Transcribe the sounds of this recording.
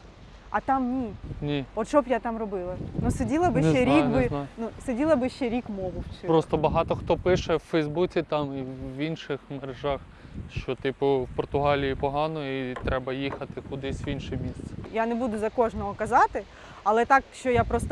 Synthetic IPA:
ɐt̪ɑmnʲinʲiɔt̪t͡ʃɔbjat̪ɑmrɔbɪlˠɐnusedʲilˠɐbɪt͡ʃɛɾʲikbɪnnusedʲilˠɐbɪʃt͡ʃɛɾʲikmɔɦʊwt͡ʃpɾɔst̪ɔbɐɦɑt̪ɔxt̪ɔpɪʃɛwfɛjzbut͡sʲit̪ɑmiʋinʃɪxmeɾeʒɑx | ʃt͡ʃɔt̪ipʊwpɔrt̪ʊɦɑlʲijipɔɦɑnɔit̪ɾɛbɐjixɐt̪ɪkʊd̪ɪsʲʋinʃɪmʲist̪sɛ̥janebud̪ʊzɐkɔʒnɔɦɔkɐzɑt̪ɪ | ɐlˠɛt̪ɑkʃt͡ʃɔjapɾɔst̪ɔ

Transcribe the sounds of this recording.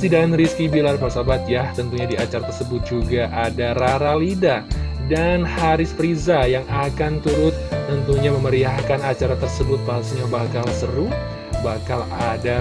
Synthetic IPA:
sidaanɾiskibilarpasabat̪̚jaht̪ənt̪uɲadiat͡ʃaɾat̪ərsəbʊt̪̚d͡ʒuɡaʔadaraɾalidadanhaɾɪspɾizajaŋakant̪uɾʊt̪ːənt̪uɲaməməɾiahkanat͡ʃaɾat̪ərsəbʊt̪̚baɦasaɲabakalsəɾu | bakalada

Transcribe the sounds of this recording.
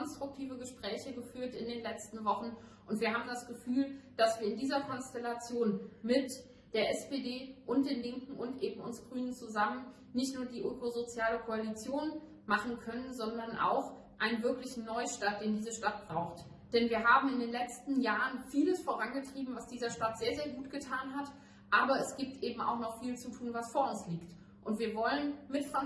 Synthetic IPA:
ɔnstʁ̥ʊk̚tʰiːvəɡəʃpʁ̥ɛːçəɡəfyːɐtɪndeːnlɛt͡stn̩vɔχn̩ʔʊntv̥iːɐɦaːbm̩dasɡ̥əfyːld̥asv̥iːɐɪndiːzɐkʰɔnstɛlat͡sjoːnmɪt | d̥eːɐʔɛspeːdeːʔʊnt̚d̥eːnlɪŋkŋ̩ʔʊntʔeːbm̩ʊnsɡ̥ʁyːnənt͡suzamən | nɪçtnuːɐdiːʔøkozot͡sjaːləkʰoalit͡sjoːn | maχn̩kʰœnənzɔndɐnʔa̰ʊx | ʔaɪnənvɪɐklɪçn̩nːɔʏʃtaːt̚d̥eːndiːzəʃtat̚b̥ʁaʊxt | d̥ɛnviːɐɦaːbm̩ɪndeːnlɛt͡stn̩jaːʁənfiːləsfoːʁ̞anɡətʁ̥iːbm̩vasd̥iːzɐʃtatz̥eːɐzeːɐɡuːtɡ̥ətʰaːnɦat | ʔaːbɐɛsɡ̥iːp̚tʔeːbm̩a̰ʊxnɔχfiːlt͡sutʰuːnvasfoːɐʊnsliːkt | ʔʊntv̥iːɐvɔlənmɪtfʁa

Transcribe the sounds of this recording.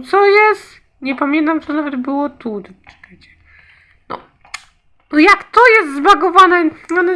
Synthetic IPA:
t̪sɔjɛst̪ | ɲɛpamʲjɛnt̪amt̪ɔnavɛd̪bɘwɔt̪ud̪ɛt͡ʂɛ̥k̪at͡ɕɛ̥ | nɔ̰ | ɔjakt̪ɔjɛst̪zbaɡɔvanɛɲɔnɛ

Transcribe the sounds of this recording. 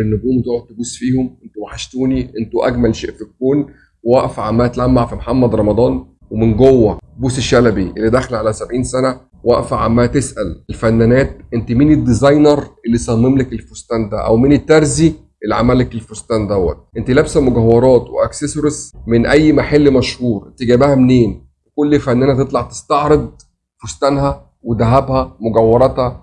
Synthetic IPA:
enːobuːnwet̪oʕot̪ːebuːsfiːhomʔent̪omaħaʃt̪uːniʔent̪uʔæɡmælʃeːʔfikːuːn | wæʔfʕamːæːʔt̪læmːaʕfimħamːæd̪ɾˤɑmɑd̪ˤɑːn | wemenɡowːæbuːseʃælæbiʔelːid̪æxlʕalæsæbʕiːnsænæ | wæʔfaʕa̰mːæːt̪esʔælelfænːænæːt̪̚ʔent̪imiːned̪ːizɑjnɑɾˤʔelːisˤɑmːemlækelfost̪æːnd̪æ̰ʔæ̰wmiːnet̪ːæɾˤzi | ʔelːʕa̰mælːækelfost̪æːnd̪æwːæ̰t̪̚ʔent̪ilæbsæmoɡæwːɑɾˤɑːt̪wḛʔæksesoɾesmenʔæjːmæħelːmæʃhuːɾʔent̪iɡæːbæhæmneːn | wekolːfænːæːnæt̪et̪ˤlɑʕt̪e̥st̪ɑʕɾed̪̚ | fost̪æːnɦæ | wed̪æɦæbhæmoɡæwːɑɾˤɑt̪hæ

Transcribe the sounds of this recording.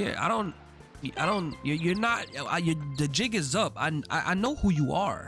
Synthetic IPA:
jæ̰a̰ɪɾõʊ̃nt̚ | ʔa̰ɪɾõʊ̃njə˞jə˞nət̚ajə˞ðɨd͡ʒɪɡɨzʌpã̰ɪ̃na̰ɪʔa̰ɪnoʊhujəə̰˞

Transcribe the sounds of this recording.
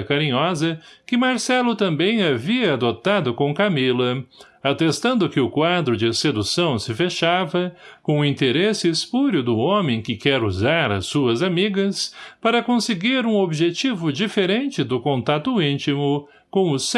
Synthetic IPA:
kaɾĩɲɔzɐkɪmaɾsɛlʊt̪ɐ̃mbẽj̃aviɐːd̪ot̪ad̪ʊkõkamilɐ | at̪est̪ɐ̃nd̪ʊkɪʊkwad̪ɾʊd͡ʒɪsed̪usɐ̃w̃sɪfeʃavɐkõʊĩnt̪eɾesɪspuɾjʊd̪ʊõmẽj̃kɪkɛɾuzaɾɐ̰suɐzamiɡɐspaɾɐkõsɪɡiɾũobiʒet͡ʃivʊd͡ʒifeɾẽnt͡ʃɪd̪ʊkõnt̪at̪ʊĩnt͡ʃimʊ | kõw̃ʊs

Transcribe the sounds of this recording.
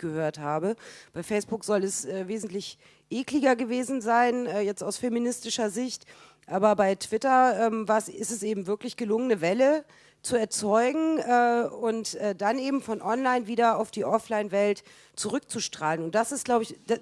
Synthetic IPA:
ɡ̥əhøːɐthaːbəb̥aɪfɛɪsb̥ʊkz̥ɔlɛsʔɛːveːzn̩tlɪç | ʔeːklɪɡɐɡəveːzn̩zaɪnɛːjɛt͡staʊsfeminɪstɪʃɐzɪçt | ʔaːbɐbaɪtv̥ɪtɐɛːmvaːɐsɪstɛsʔeːbm̩vɪɐklɪçɡ̥əlʊŋənəvɛlə | t͡suɛɐt͡sɔʏɡŋ̩ɛːʊntɛːd̥anʔeːbm̩fɔnʔɔnlaɪnviːdɐaʊfd̥iːʔɔflaɪnvɛlt | t͡suʁʏk̚t͡suʃtʁ̥aːlənʊnt̚d̥asɪstɡ̥laʊbɪçd̥a

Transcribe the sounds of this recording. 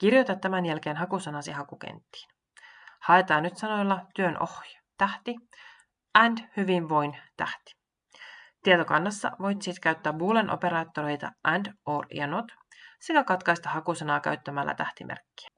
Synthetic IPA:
k̟irjo̞jt̪ɑt̪ːæmænjælke̞ːnɦɑkusɑnɑsiɦɑkukḛnt̪ːi̥ːn | hɑe̞t̪ɑːnːyt̪sɑno̞jlːɑt̪yønʔo̞̰hjɑt̪æht̪i | ʔændhyʋinʋo̞jnt̪æ̰ht̪i̥ | t̪iet̪o̞kɑ̰nːɑsːɑ̰ʋo̞jt̪ːsit̪kæyt̪ːæːbuːlenʔo̰pe̞ɾɑːt̪ːoɾe̞jt̪ɑ̰ʔændoːrjɑ̰not̪se̞kækɑt̪kɑjst̪ɑhɑkusɑnɑːkæ̰ɥt̪ːæmælːæ̰t̪æht̪imʔḛrkːi̥æ̥

